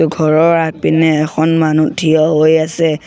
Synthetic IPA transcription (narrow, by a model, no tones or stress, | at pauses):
ʊɡʱɔɹɔɹapinɛːxɔnmanutʰijɔɦojasɛ